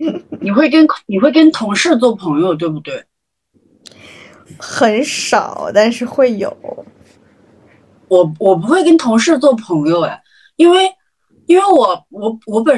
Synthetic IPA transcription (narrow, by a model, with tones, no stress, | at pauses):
ni˨˩xwe˥˩ɪkə˥nni˨˩xwe˥˩ɪkə˥nt̪ʰʊ˧˥ŋʂɻ̩˥˧t͡swɔ˥˩pʰɤ˧˥ŋjo˧ʊt̪̬we˥˩ɪbu˨˩t̪we˥˩ɪ | xə˨˩˥nʂɑ̰˨˩˦ʊt̪a˥˧nʂɻ̩˥˧xwe˥˩ɪjo˨˩˦ʊ | wɔ˨˩wɔ˨˩p̬u˧˥xwe˥˩ɪkə˥nt̪ʰʊ˧˥ŋʂɻ̩˥˧t͡swɔ˥˩pʰɤ˧˥ŋjo˧ʊjɐ̰˩ | i˥nwe˥˩ɪ | i˥nwe˥˩ɪwɔ˨˩wɔ˧˥wɔ˧˥p̬ə˨˩